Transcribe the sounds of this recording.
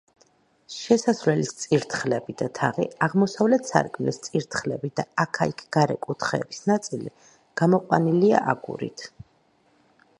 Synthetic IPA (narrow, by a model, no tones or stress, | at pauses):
ʃɛsasvlɛlist̪sʼiɾt̪ʰχlɛbid̪at̪ʰaʁḭaʁmɔsavlɛt̪ʰsa̰ɾkʼmlist̪sʼiɾt̪ʰχlɛbid̪aakʰaikʰɡ̥aɾɛ̰kʼut̪ʰχɛ̰ːb̥isnat̪sʼilḭ | ɡ̥amɔqʼwa̰nilia̰ʔaɡṵɾḭt̪ʰ